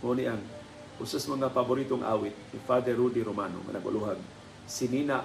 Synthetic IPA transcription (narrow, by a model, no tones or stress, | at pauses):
moniʔaŋ | kusasmaŋafabʊɾit̪oŋʔa̰wɪt̪̚nifad̪ɛrɾudiɾomano̰ŋa̰na̰ɡo̰luɦaɡ̚ | sinina